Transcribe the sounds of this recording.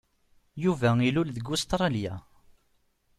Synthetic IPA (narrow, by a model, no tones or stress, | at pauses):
juvæilulðəɡʊst̪ɾˤɑlja